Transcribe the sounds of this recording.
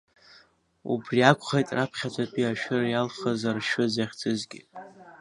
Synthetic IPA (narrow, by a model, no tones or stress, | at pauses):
ṵbriakʷʰʼχejtʼrapʰχʲat͡ʃʷʰʼapʰʼiaʃᶣɪrjalχazarʃʊzaχʲt͡sʰʼɨzɡʲɪ̰